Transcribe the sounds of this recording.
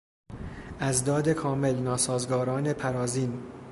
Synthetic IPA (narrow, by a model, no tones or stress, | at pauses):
ʔæzd̪ɒːd̪e̞kʰɒːme̞lnɒːsɒːzɡɒːɾɒːne̞pʰæɾɒːziːn